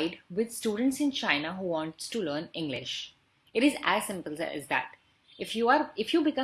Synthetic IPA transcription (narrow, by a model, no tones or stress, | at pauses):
ɪɖʋɪd̪sʈuːɖə̃ɳ̩ʈsɪ̃nt͡ʃãɪnəɦuːʋɔ̃ɳʈsʈuləːnɪ̃ŋɡlɪ̰ʃ | ɪʈɪzæzsɪ̃mpəlsæ̰zd̪æ̰ʈ | ɪfjuaɾɪfjuːbɪkʌ̃